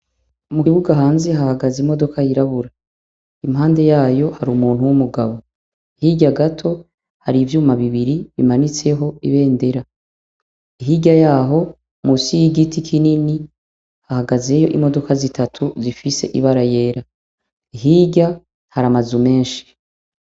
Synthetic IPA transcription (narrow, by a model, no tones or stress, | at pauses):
umuiβuɡaɦaːnze̞ɦahaɡazimo̞do̞kajiɾaβuɾa | imɦaːnde̞jaːjo̞haɾumuːn̥uwumuɡaβo̞ | ihiɟaɡatʰo̞ | haɾivjuːmaβiβiɾiβḭmanit͡se̞ɦo̞iβe̞ːnde̞ɾa | iɦiːɟajaːɦo̞ | musijiɡitikʰinini | hahaɡaze̞jo̞ʔimo̞do̞kazitʰatʰuzifise̞̰ʔiβaɾaje̞ːɾa | iɦiːɟa | haɾamazume̞ːnʃi̥